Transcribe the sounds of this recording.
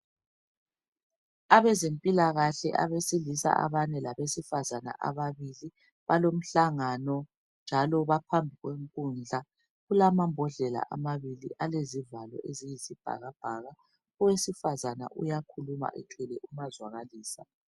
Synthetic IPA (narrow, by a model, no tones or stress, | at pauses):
aβɛzempʼilaɣaɬɛ̰ʔa̰βesilisa̰ʔa̰βanɛlaβesifazana̰ʔa̰βaβili | βalom̩ɬaŋanɔ | nd͡ʒʱalɔβapʰambʱiɣweŋkʼund͡ɮʱa | ɣulamambʱɔɮɛla̰ʔamaβilḭʔalezivalɔ̰ʔezijizib̥ʱa̰ɣab̥ʱaɣa | ɔwesifazana̰ʔujakʰuluma̰ʔɛ̰tʰɛlɛʔumazwaɣaliːsa